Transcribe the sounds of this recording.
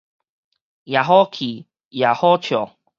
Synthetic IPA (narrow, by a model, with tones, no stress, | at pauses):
ja˨ɦɔ˦kʰi˨˩ | ja˨˩hɔ˦t͡ɕʰjɔ˨